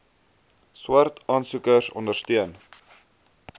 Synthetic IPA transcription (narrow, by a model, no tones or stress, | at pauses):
swɐrtɑːnsukərsɔ̰ndərstyən